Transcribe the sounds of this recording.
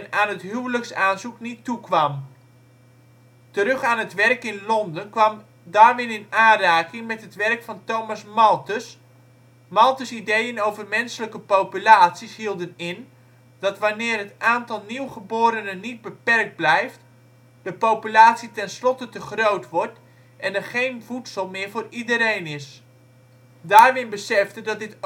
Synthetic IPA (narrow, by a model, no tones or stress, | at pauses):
naːnɦətɦywləksaːnzuknitːukʋɑm | təɾɵχaːnɦətʋɛrkɪnlɔndənkʋɑm | daːrʋɪnɪnaːnraːkɪŋmɛtɦətʋɛrkfɑntowmasmɑlˠtəs | mɑlˠtəsidejənowvərmɛnsələkəpowpylaːtsisɦilˠdənɪn | d̥ɑtʋanɪːrɦətʔaːntɑlˠniwχəboːɾənənid̚bəpɛrk̚d̚blɛjft | d̥əpowpylaːtsitɛnslɔtətəχrowtʋɔrt | ʔɛnəχejnvutsəlˠmɪːɹvʊːridəɾejnɪs | daːrʋɪnbəsɛfdədɔt̚dɪt